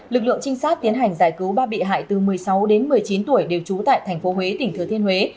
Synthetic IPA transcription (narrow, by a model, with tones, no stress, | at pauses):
lɨ˨˩k̚lɨ̰˧˨əŋt͡ɕï˧ŋ̟saː˦˥t̚t̪i˨˦ənɦa˨˩jŋ̟zaː˧˩jkɨ˨˦wɓaː˧ɓḭ˧˨ɦa̰ː˧˨jt̪ɨ˨˩mɨ˨˩əjsa˨˦wɗe˨˦nmɨ˨˩əjt͡ɕi˨˦nt̪u˧˩əjɗe˨˩wt͡ɕu˨˦t̪a̰ː˧˨jt̪ʰɛ˨˩jŋ̟fo˨˦ɦwe˨˦t̪ï˨˩ŋ̟t̪ʰɨ˨˩t̪ʰənhwe˨˦